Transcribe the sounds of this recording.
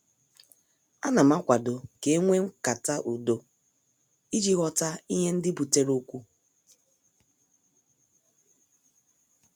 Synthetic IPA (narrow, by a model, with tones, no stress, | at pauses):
a˦na˨ma˦kʷa˨do˨ke˨˦ŋʷe˦ŋ̩˦ka˨ta˦ʔu˨do˨ | i˦d͡ʒi˦ɣɔ˦ta˦i˦ɦe˦n̩˦dɪ˦bu˨te˦ɾo˦kʷu˦